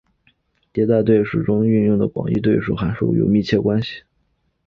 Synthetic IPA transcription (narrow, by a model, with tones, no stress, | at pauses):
t̪jɛ˧˥t̪a˥˧ɪt̪we˥˩ɪʂɻ̩u˨˩ʈ͡ʂʊ˥ŋy˥˧njʊ˥˩ŋd̪ə˩pwɑ̰˨˩ŋḭ˥˧t̪̬we˥˧ɪʂṵ˥˩xa˧˥ɪʂṵ˥˩jo̰˨˩ʊmi˥˧t͡ɕʰjɛ˥˩kwa˥nɕi̥˨˩